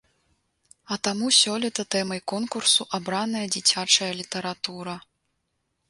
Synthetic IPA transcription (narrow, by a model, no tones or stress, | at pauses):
ɐt̪amusʲɔlʲɛt̪ɐt̪ɛmɐjkɔnkursuʔabɾanɐjɐd͡zʲit͡sʲat͡ʂɐjɐlʲit̪ɐɾat̪uɾɐ